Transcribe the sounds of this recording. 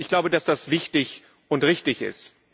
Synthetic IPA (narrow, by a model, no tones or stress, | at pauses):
ɪçɡ̥laʊbədasd̥asv̥ɪçtɪç | ʊntʁɪçtɪçɪ̰st